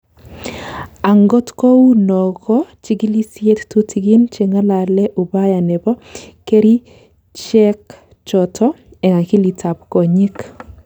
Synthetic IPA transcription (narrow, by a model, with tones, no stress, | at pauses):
a˨ŋɡo˦tko˦wu˦nɔ˨ɣɔ˦t͡ʃi˦ɡi˦li˦sje˦ttu˦tʰi˨ɡi˦nt͡ʃe˨ŋa˦la˨lɛ˦ʔu˨ba˦ja˨nɛ˨bɔ˦ke˦ɾi˦ | t͡ʃɛ˦k | t͡ʃɔ˨tʰɔ˦ | ɛ˨ŋa˨ki˦li˨tʰa˨p̚ko˨ɲɪ˦k